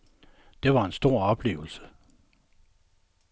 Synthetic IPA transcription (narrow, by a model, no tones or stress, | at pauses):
d̥e̝ʋɑ̈e̝nsd̥o̝ɐ̰ɒ̽b̥le̝̰ːʊl̩sə̥